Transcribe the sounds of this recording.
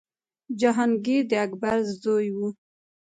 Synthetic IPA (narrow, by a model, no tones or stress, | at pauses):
d͡ʒaɦɑnɡed̪əakbaɾzzojwu